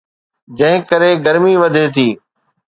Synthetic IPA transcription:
d͡ʑɐ̃ɦɪ̃kɐɾeɡɐɾmiʋɐd̪ʱet̪ʰiː

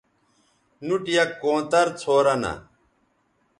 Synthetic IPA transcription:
nuʈjɐkːõːt̪ɐɾt͡sʰoːɾɐnɐ̰

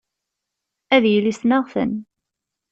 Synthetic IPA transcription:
æðjəlisnəʁθə̰n

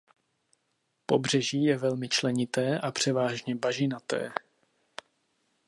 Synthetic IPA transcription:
po̞br̝ɛʒiːjɛvɛlmɪt͡ʃlɛɲɪt̪ɛːʔapr̝̥ɛvaːʒɲɛbaʒɪnat̪ɛ̰ː

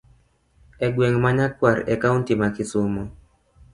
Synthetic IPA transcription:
ɛɡweŋmaɲakwaɾɛkauntimakɪsʊmɔ

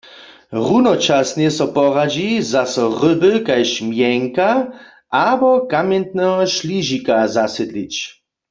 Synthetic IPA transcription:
ʁunɔt͡ʃasnjɛsɔpɔʁad͡ʒizasɔʁʏbəkajʃmjɛŋka | ʔabɔkamjɛnt̪nɛɦɔʃliʒikazasɛd̪lit͡ɕ

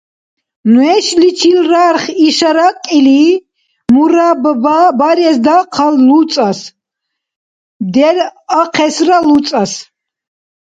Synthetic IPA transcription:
nwɛʃlit͡ʃʰilraɾχiʃaɾaqʼili | muɾabbaɾɛsd̪aqʰallut͡sʼas | d̪ɛɾaqʰɛsralut͡sʼas

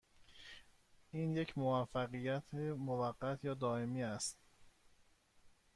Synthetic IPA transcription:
ʔiːnje̞cʰmovæfːæɢijæt̪ʰemovæɢːæt̪ʰjɒːd̪ɒːe̞miːæst̪

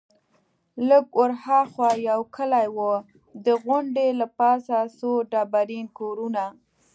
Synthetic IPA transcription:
ləɡʊɾhɑxwajawkəlajwo | d̪əɣʊɳɖelapɑsasoɖɑbaɾinkoɾuna

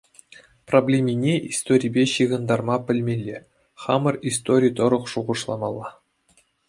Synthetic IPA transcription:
problʲemʲinʲeʔist̪oɾʲijbʲeɕiʁɤ̆nd̪ɑrmɑpʲɘ̆lʲmʲelʲːe | χɑmɤ̆rist̪oɾʲijt̪ɤ̆ɾɤ̆χʂuʁɤ̆ʂlˠɑmɑlˠːɑ

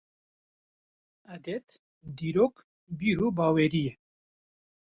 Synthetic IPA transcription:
æd̪ɛt̪ | d̪iːɾoːk | biːɾuːbaːweːɾijɛ

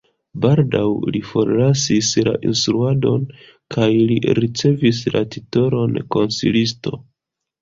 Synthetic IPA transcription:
baɾdawlifo̞ɾlasisla̰ʔḭnstɾuado̞n | kʰajlḭɾit͡se̞vis̬la̰tito̞ɾo̞nko̞nsḭlisto̞̰

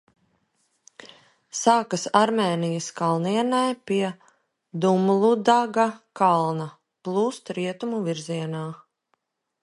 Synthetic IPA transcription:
saːkɐsaɾmʲɛːnijəskalˠniɛnajpiɛ | d̪umlˠud̪aɡakalˠna | plˠuːst̪ɾiɛt̪umuviɾziɛnaː

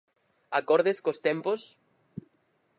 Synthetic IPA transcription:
akɔɾðeskost̪ẽmpos

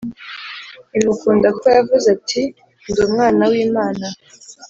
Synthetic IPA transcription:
imukuːndakojavuzatʰi | nduːmŋaːnawiːmaːna

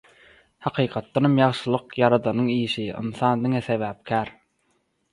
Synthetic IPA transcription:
hɑqʰiːqʰɑt̪ːɑnɑmjɑʁʃɯlˠɯqjɑɾɑd̪ɑnɯɴiːʃiɯ̰nθɑːnd̪iŋeθevæːp̚kʲʰæːɾ

